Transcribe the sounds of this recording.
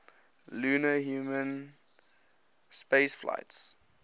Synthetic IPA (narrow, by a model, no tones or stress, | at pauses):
lunəhjuːmə̃n | spesflʔa̰ɪts